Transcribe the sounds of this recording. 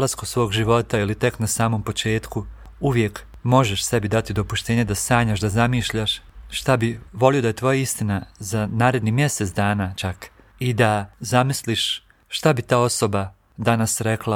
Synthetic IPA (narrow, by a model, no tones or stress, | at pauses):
laskusʋo̞ːɡʒiʋo̞t̪ailit̪e̞knasaːmo̞mpo̞t͡ʃe̞ːt̪ku | uʋje̞k | mo̞ʒeʃse̞bid̪at̪id̪o̞puʃt̪e̞ːɲed̪asaːɲaʃd̪azamiːʃʎaʃʃt̪abiʋo̞lijo̞d̪ajet̪ʋo̞jaist̪inazanaːɾe̞d̪nimje̞set̪d̪aːnaːt͡ʃak | id̪azamisliʃ | ʃt̪abit̪aːo̞so̞ba | d̪anasɾeklˠa